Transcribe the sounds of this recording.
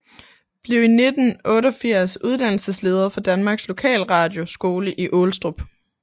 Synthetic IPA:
b̥liʊine̝d̥n̩ʔɔ̽ːɾəɒ̽fiɐ̰suð̞ˠd̥ænl̩səsle̝ːðˠɐfɒ̽d̥ænmɑ̈ːɡ̥slo̝kʰɛ̰ːlʁɑ̈ːd̥jo̝sɡ̥o̝ːləʔiʔolsd̥ʁob̥

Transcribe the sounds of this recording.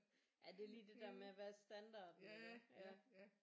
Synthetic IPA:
jæd̥e̝ɐliːd̥e̝d̥æɐmeæʋæɐsd̥ænd̥ɑ̈ːd̥nelɐjæ

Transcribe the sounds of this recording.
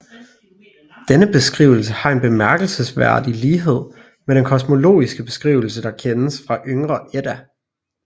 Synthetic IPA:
d̥enəb̥e̝sɡ̥ʁḭʊl̩səhɑ̈e̝nb̥e̝mæɐɡ̥l̩səsʋæɐ̰d̥iliːɦe̝ð̞̰ˠ | meɾ̥enkʰɒ̽smo̝lo̝̰ːisɡ̥əb̥e̝sɡ̥ʁḭːʊl̩səd̥ɑ̈kʰenəsfʁɑ̈ʔøŋʁɐʔed̥æ

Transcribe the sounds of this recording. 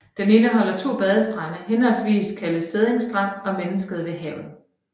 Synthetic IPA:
d̥ene̝ːnəɦɒ̽l̰ɐt͡sʰo̝̰ːb̥ɛð̞ˠəsd̥ʁanəhenhɒ̽lsʋḭːskʰæləse̝ð̞ˠeŋsd̥ʁän̰ɒ̽menəsɡ̥əð̞̩ˠʋe̝ɦɛʊ̰ð̩ˠ

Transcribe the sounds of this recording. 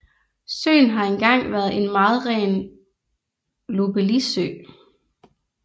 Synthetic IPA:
sø̰ːnɦɑ̈enɡ̥ɑ̈ŋ̰ʋæːɐðˠe̝nmɑ̈ːð̞̩ˠʁɛ̰ːn | lob̥elisø̰ː

